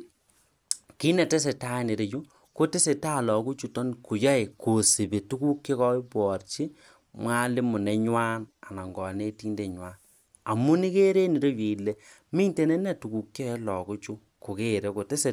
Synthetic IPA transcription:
ki˦nɛ˨te˦s̬e˨ta˦˨ne˨ɾe˨d͡ʒu˦ | ko˦te˦se˨ta˦˨lɔ˨ku˦t͡ʃu˦tɔ˦nku˨ja˦e˨ko˨si˨be˨tu˦ku˦kje˦kɔ˦pɔ˨rt͡ʃi˦ | mwa˦lɪ˦mʊ˨nɛ˦ɲwa˦na˨na˨ŋɡɔ˨ne˦tiː˦nde˨ɲwa˦n | a˨mu˦ni˦ke˦ɾe˦ni˨ɾo˦wi˨le˨ | mi˦nte˦ne˦nɛ˨tu˨ku˨kje˦ɛ˦lɔ˨ku˦t͡ʃu˦ | ko˨ke˦˨ɾe˦ko˨te˦se˨

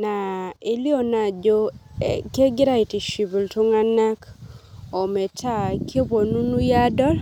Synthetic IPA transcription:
na˨e˨li˦o˨na˨d͡ʒo˦ke˦ɡɪ˦ɾa˦i˨ti˨ʃi˨bi˨ltu˦ŋa˦na˦k | ɔ˨mɛ˨tʰa˦˨kʰe˦bo˨nu˦nu˦ja˦dɔ˦l

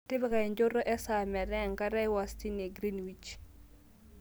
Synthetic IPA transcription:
tɪ˦bɪ˨ka˨i˨ɲd͡ʒo˦ɾɔ˦ʔɛ˦sa˨mɛ˨ɾɛ˦˨ŋka˦ɾɛ˦wa˨sti˦ne˨ɡɾi˦nwi˨t͡ʃ

